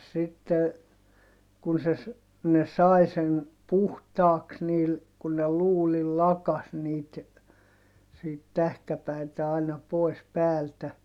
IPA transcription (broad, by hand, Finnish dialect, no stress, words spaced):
sitːe kun̞ se s ne sɑˑi sen puhtɑːks niːl kun ne luːlil lɑkɑs niːt siːt tæhkæpæitæ ɑinɑ poˑi̯s pæːltæ